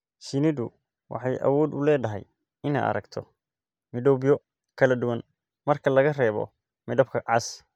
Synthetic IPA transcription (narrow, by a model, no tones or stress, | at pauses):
sɪnɪðʊ | wʔɑ̰ħɑjʔɐ̰wɔːd̪ʊlɛːd̪ɐɦɛ̰j | ɪna̰ɐ̰ɾɐ̰ɡt̪ʰɔ | mɪɖɔbijɔ | kʰɐlɐd̪ʊwɐn | mɐrkʰɐlɐɣɐrɛːβɔ̰ | mɪɖɔb̚kʰɐʕɑs